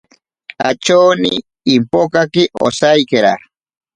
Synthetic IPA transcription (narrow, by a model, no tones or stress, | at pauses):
a̰t͡ʃowniː | mpokakɪʔo̰sajkɪɾa